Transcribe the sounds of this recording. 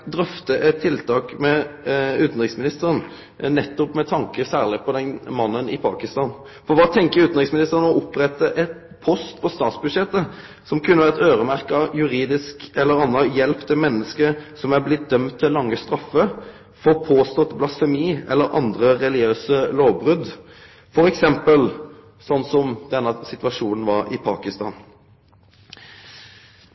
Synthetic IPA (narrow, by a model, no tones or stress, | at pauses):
d̪ɾœft̪əʔɛt̪ʰːɪlt̪ʰɑːkmɛʉːt̪n̩ʁɪksmɪnɪst̪əɾən | nɛt̪ːɔpmɛt̪ʰɑŋkəsæːʁlɪpʰɔd̪ɛnmɑnːənɪpʰɑ̰ːkɪst̪ɑːn | fɔɾʋɑːt̪ʰɛŋkəɾʉːt̪nʁɪksmɪnɪst̪əʁənɔʔʊpːɾɛt̪ːəʔɛt̪ | pʰɔst̪pʰɔst̪ɑːt̪sbʉd̪ʂɛt̪ːə | sɔmkʰʉnːəʋæːʁət̪øːɾəmæʁkəɑjʉɾiːd̪ɪskɛlːəɾɑnːəjɛlpt̪ʰːɪlmɛnːəskəsɔmæɾblɪt̪̚d̪œmt̪ʰːɪllːɑŋːəst̪ɾɑfːə | foːpʰoːst̪ɔt̪blɑsfɛmiːɛ̰lːəɾʔɑ̰nd̪ɾəɾɛlɪøːsəloːʋbʁʉd̪ | fɔɾɛksɛmpəl | sɔnːsɔmd̪ɛnːɑsɪt̪ʋɑʂuːnn̩ʋɑɾɪ̰pʰɑ̰ːkɪst̪ɑ̰ːn